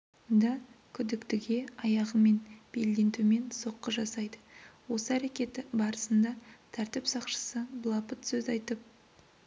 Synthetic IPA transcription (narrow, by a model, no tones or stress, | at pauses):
ond̪ɑkʲʰʏd̪ɪkt̪ɪɡʲe̞ɑjɑʁəme̞nb̥e̞ld̪e̞nt̪ume̞nso̞qːəʒɑsɑjd̪əwo̞səæɾe̞kʲe̞t̪ɪbɑɾəsənd̪ɑt̪ʰæɾt̪ɪpsɑqʃə̥səblˠɑpət̪sɵzɑjt̪əp̚